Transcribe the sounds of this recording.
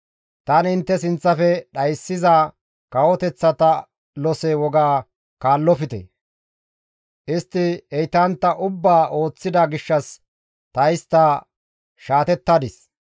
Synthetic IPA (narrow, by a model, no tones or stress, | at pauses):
t̪ɐnɪnt̪ːɛsɪnt͡sːɐfɛɗɐjsːɪzɐ | kɐwɔt̪ɛt͡sːɐt̪ɐ | lɔsɛwɔɡaː | kaːlːɔfɪt̪ɛ̰ | ʔɪst̪ːɪɛjt̪ɐnt̪ːɐʔʊbːaːʔo̞ːt͡sːɪd̪ɐɡɪʃːɐs | t̪ɐjst̪ːɐ | ʃaːt̪ɛt̪ːɐd̪ɪs